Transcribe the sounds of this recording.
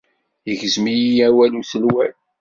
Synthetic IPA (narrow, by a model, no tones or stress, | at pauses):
əʝəzmijiæwæluθəlwæl